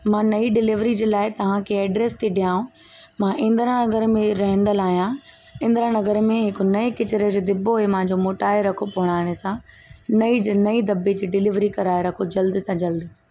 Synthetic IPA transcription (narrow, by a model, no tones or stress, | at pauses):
mãːnɐiɖɪlɪʋɾid͡ʑeːlaːɪt̪ɐʋ̤ãkʰeɐːɖɾeːst̪ʰiɖijaːũ | mãːʔɪ̃nd̪əɾə̃nɐɡəɾmẽɾɐɦə̃n̆d̪əlaːɦijã | ɪ̃n̆d̪əɾə̃nɐɡəɾmẽɦɪkʊ̆nɐekɪt͡ɕɪɾed͡ʑoːd̪ɪboɦemãɦɪ̃ɲd͡ʑomoːʈaːɪɾɐkʰopɐʋəɽ̃aːɽ̃esã | nɐid͡ʑnɐid̪ɐbed͡ʑiːɖɪlɪʋɾikɐɾaːeɾɐkʰod͡ʑɐld̪sãd͡ʑɐld̪